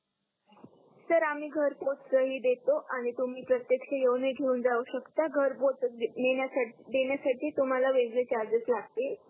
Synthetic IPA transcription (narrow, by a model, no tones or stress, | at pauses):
səɾam̤iːɡʱəɾpot͡ssəɦiːd̪et̪oʔaɽ̃it̪um̤iːpɾət̪jekɕəjeʋneɡʱeuːnd͡zauɕəkt̪aɡʱəɾpot͡snenjasad̪eɳjasaʈʰiːt̪um̤alaʋeɡɭet͡ɕaɾd͡zət͡slaɡ̚t̪e